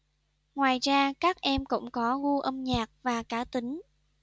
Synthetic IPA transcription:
ŋwaː˨˩jzaː˧kaː˦˥k̚ʔɛ˧mkʊ̰˧˥ŋ͡mkɔ˨˦ɣu˧ʔə˧mɲaː˨˩k̚vaː˨˩kaː˧˩t̪ï˨˦ŋ̟

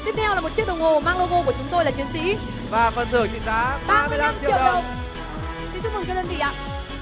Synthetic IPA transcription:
t̪i˦˥k̪̚ʰɛ˧wlaː˨˩mo˨˩t̚t͡ɕi˦˥ət̚ɗə˨˩wŋ͡mho˨˩maː˧ŋlo˧ɣo˧ku˧˩ət͡ɕʊ˨˦ŋ͡mt̪o˧jlaː˨˩t͡ɕi˨˦ənsḭ˧˥ | vaː˨˩fəː˨˩nzɨ˧˩əŋzḭ˧˨zaː˨˦ɓaː˧m˧ɨ˧jla˧mt͡ɕi˧˨i˧˨wɗə˧˩w | t̪i˨˦t͡ɕʊ˦˥mə˨˩zəː˧ɗə˧nvḭ˧˨ʔa̰ː˧˨

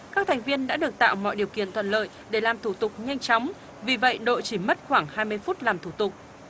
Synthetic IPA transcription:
kaː˦˥k̚t̪ʰɛ˨˩ŋ̟vi˧ənɗa̰ː˧˥ɨ˨˩ək̚t̪a̰ː˧˨wmɔ̰˧˨jɗi˨˩əwkḭ˧˨ənt̪ʰə̰˧˨nlə̰ː˧˨jɗe˧˩laː˨˩mt̪ʰu˧˩t̪ʊ˨˩k͡p̚ɲa˧jŋ̟t͡ɕɔ˨˦wŋ͡m | vi˨˩və̰˧˨jɗo̰˧˨jt͡ɕi˧˩mə˦˥t̚xwaː˧˩ŋhaː˧jmɨ˧əjfu˦˥t̚laː˨˩mt̪ʰu˧˩t̪ʊ˨˩k͡p̚

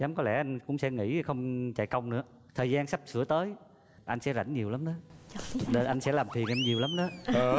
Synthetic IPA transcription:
zaː˨˦mkɔ˨˦lɛ̰˧˩ʔa˧jŋ̟kʊ̰˧˥ŋ͡msɛ̰˧˥ŋḭ˧˥xə˧wŋ͡mt͡ɕa̰ː˧˨jkə˧wŋ͡mnɨ̰˧˥ə | t̪ʰəː˨˩zaː˧nsa˦˥p̚sɨ̰˧˩ət̪əː˨˦j | ʔa˧jŋ̟sɛ̰˧˥za̰˧˩jŋɲi˨˩əwla˨˦mɗəː˨˦ne˨˩ʔa˧jŋ̟sɛ̰˧˥laː˨˩mt̪ʰi˨˩ənʔɛ˧mɲi˨˩əwla˨˦mɗə˨˦

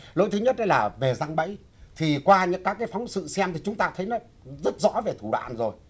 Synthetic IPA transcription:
lo̰˧˥jt̪ʰɨ˨˦ɲə˦˥t̚na˧jlaː˨˩ve˨˩za˧ŋɓə̰˧˥j | t̪ʰi˨˩kwaː˧ɲɨ̰˧˥ŋkaː˦˥kaː˨˦jfɔ˨˦wŋ͡msɨ̰˧˨sɛ˧mt̪ʰi˨˩t͡ɕʊ˨˦ŋ͡mt̪aː˧t̪ʰə˨˦jnɔ˨˦ | zə˦˥t̚zɔ̰˧˥ve˨˩t̪ʰu˧˩ɗwa̰ː˧˨nzo˨˩j

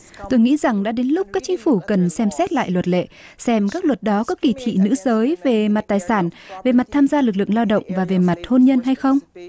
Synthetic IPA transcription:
t̪o˧jŋḭ˧˥za˨˩ŋɗa̰ː˧˥ɗe˨˦nlʊ˦˥k͡p̚kaː˦˥k̚t͡ɕï˨˦ŋ̟fu˧˩kə˨˩nsɛ˧msɛ˦˥t̚la̰ː˧˨jlwə˨˩t̚lḛ˧˨ | sɛ˧mkaː˦˥k̚lwə˨˩t̚ɗɔ˨˦kɔ˨˦ki˧˩t̪ʰḭ˧˨nɨ̰˧˥zəː˨˦jve˨˩ma˨˩t̚t̪aː˨˩jsaː˧˩nve˨˩ma˨˩t̚t̪ʰaː˧mzaː˧lɨ˨˩k̬̚lɨ̰˧˨ŋlaː˧wɗə̰˧˨wŋ͡mvaː˨˩ve˨˩ma˨˩t̚ho˧nɲə˧nɦa˧jxə˧wŋ͡m

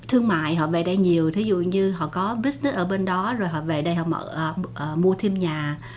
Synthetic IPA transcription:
t̪ʰɨ˧əŋma̰ː˧˨jɦɔ̰˧˨vḛ˧˨˩ɗə˧jɲi˨˩əwt̪ʰi˨˦zṵ˧˨ɲɨ˧ɦɔ̰˧˨kɔ˨˦ɓi˦˥nɛ˦˥ʔəː˧˩ɓe˧nɗɔ˨˦zo˨˩jɦɔ̰˧˨vḛ˧˨˩ɗə˧jhɔ̰˧˨mə̰ː˧˩ʔəː˨˩ʔəː˨˩mu˧ət̪ʰi˧əmɲaː˨˩

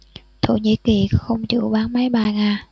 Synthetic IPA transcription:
t̪ʰo˧˩ɲḭ˧˥ki˨˩xə˧wŋ͡mt͡ɕṵ˧˩˦ɓaː˨˦ŋma˨˦jɓaː˧˩ŋaː˧˩

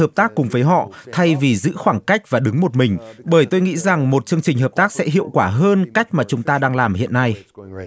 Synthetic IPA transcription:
əː˨˩p̚t̪aː˦˥kːʊ˨˩ŋ͡mvəː˨˦jɦɔ̰˧˨t̪ʰa˧jvi˨˩zɨ̰˧˥xwaː˧˩ŋka˦˥jk̟̚vaː˨˩ɗɨ˨˦ŋmo˨˩t̚mï˨˩ŋ̟ɓəː˧˩jt̪o˧jŋḭ˧˥za˨˩ŋmo˨˩t̚t͡ɕɨ˧əŋt͡ɕï˨˩ŋ̟ɦəː˨˩p̚t̪aː˦˥k̚sɛ̰˧˥ɦḭ˧˨əwkwaː˧˩ɦəː˧nka˦˥jk̟̚maː˨˩t͡ɕʊ˨˦ŋ͡mt̪aː˧ɗaː˧ŋlaː˨˩mhḭ˧˨ənːa˧j

